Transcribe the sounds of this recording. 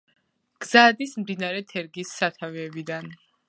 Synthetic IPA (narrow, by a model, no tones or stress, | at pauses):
ɡ̥z̥ad̪ismd̪inaɾɛt̪ʰɛɾɡisːat̪ʰaviɛbid̪an